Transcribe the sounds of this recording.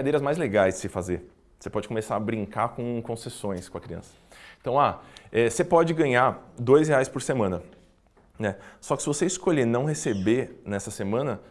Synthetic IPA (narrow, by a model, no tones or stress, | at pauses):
ad̪ejɾɐzmajzleɡajzd͡ʒsɪfazeɾ | osepɔd͡ʒɪkomesaɾɐbɾĩŋkakõkõsesõj̃skõɐkɾiɐ̰̃sɐ̥ẽt̪ɐ̃w̃aɛsepɔd͡ʒɪɡɐ̃ɲad̪ojzɦeajspoɾsemɐ̃nɐ | nɛsɔkɪ̥sɪvoseiskoʎenɐ̃w̃hesebenɛsɐsemɐ̃nɐ